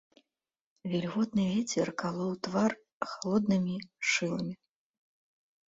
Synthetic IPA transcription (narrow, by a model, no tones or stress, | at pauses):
vʲɛlʲɣɔt̪nɨvʲɛt͡sʲɛrkalˠɔwt̪var | xalˠɔd̪nɨmʲiʂɨlˠɐmʲi